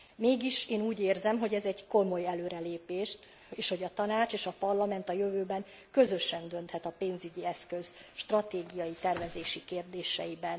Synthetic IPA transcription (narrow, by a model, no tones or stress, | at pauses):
meːɡiʃeːnuːɟeːrzɛmɦo̞ɟɛzɛɟko̞mo̞jɛløːɾɛleːpeːʃt̪ | eːʃho̞ɟɒt̪ɒnaːt͡ʃeːʃɒpɒrlɒmɛnt̪ɒjøvøːbɛŋ | kø̞zø̞ʃɛnd̪ø̞nt̪hɛt̪ɒpeːnzyɟiɛskøz̥ʃt̪rɒt̪eːɡijɒjit̪ɛrvɛzeːʃikeːrd̪eːʃɛjibɛn